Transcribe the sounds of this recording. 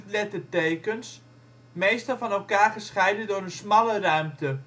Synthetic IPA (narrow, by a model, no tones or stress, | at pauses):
lɛtərtejkəns | mejstɑlˠfɑnɛlˠkaːrχəsχɛjdəndʊɾənsmɑlərœɥmtə